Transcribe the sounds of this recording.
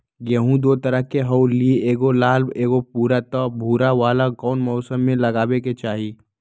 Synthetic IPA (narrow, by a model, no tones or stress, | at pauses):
ɡɐɦũd̪oːt̪ɐɾəɦkeɦɐwlieeːɡolaːlbeːɡopuːɾat̪ɔːbʱuːɾaʋaːlakɔːnmɔːsəmːẽlɐɡaːweket͡ʃaːɦi